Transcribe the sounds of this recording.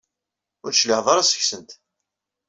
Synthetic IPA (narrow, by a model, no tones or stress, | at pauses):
ʊɾʃliʕðˤɑɾˤasə̥çsənt̪